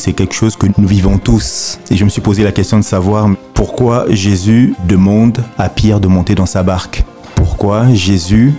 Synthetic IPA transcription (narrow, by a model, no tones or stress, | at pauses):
sɛkʲɛlkə̥ʃozkənuvivɔ̃t̪useʒəməsɥipozelakʲɛst̪jɔ̃d̪əsavwaʁmpuʁkwaʒezyd̪əmɑ̃d̪apjɛʁd̪əmɔ̃t̪ed̪ɑ̃sabaʁk | puʁkwaʒezy